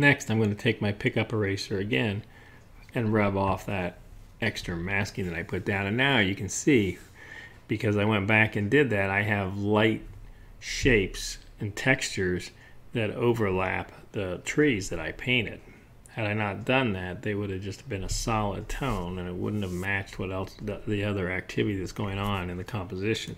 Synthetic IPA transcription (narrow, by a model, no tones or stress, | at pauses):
nɛkstãɪ̃mɡʌnɨtʰeɪk̚maɪpʰɪkʌpəɹeɪsə˞ɨɡɛ̃n | ɨ̃nɹʌbɔfðɨɾ | ɛkstɹ̥ɨmæskɪ̃ŋðɨɾaɪpʰʊt̚d̥ãʊ̃nɨ̃nːaʊjɨkʰɨ̃n̩si | b̥ɨkʰʌzaɪwɛ̃nb̥ækɨ̃ndɪd̪̚ðɨɾaɪɨvlaɪt̚ | ʃeɪps | ɨ̃ntʰɛkst͡ʃə˞z | ðɨɾoʊvə˞læ̰p̚ðətʰɹ̥izðɨɾaɪpʰẽɪ̃ñɪ̰d̥̚ | hɨɾaɪnət̚d̥ʌ̃nðɨt̪̚ðeɪwʊɾɨvd͡ʒʌstbɨ̃nəsɑlˠə̰d̚tʰõʊ̃nɨ̃nɨt̚wʊ̰dⁿn̩t̚ɨvmæt͡ʃt̚wʌɾɛlˠsðiʌðə˞æk̚tʰɪvɨɾiðɨtsɡ̥oʊɪ̃ŋə̃nɨ̃nðɨkʰɑ̃mpəzɪʃɨ̃n̩